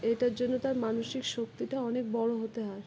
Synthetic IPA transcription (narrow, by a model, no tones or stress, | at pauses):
eʈaɾd͡ʑonːot̪aɾmanoʃikʃok̚t̪iʈaɔnek̚bɔɽoɦot̪eɦaɾ